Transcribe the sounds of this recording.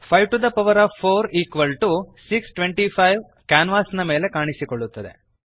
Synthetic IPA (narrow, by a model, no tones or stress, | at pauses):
pʰɐjʈud̪ɐpɐʋɐɾaːʋpʰːoːɾiːkʋɐlʈusiksʈʋeɳʈipʰɐjʋ | kaːnʋaːsɐnɐme̞ːle̞kaːɳisikoɭːut̪ːɐd̪e̞̰